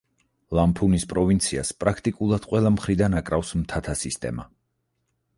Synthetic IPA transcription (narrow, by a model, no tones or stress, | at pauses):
lˠampʰunispʼɾɔvint̪sʰiaspʼɾakʰt̪ʼikʼulˠad̪̥qʼwɛlˠamχɾid̪anakʼɾafsmt̪ʰat̪ʰasist̪ʼɛ̰ma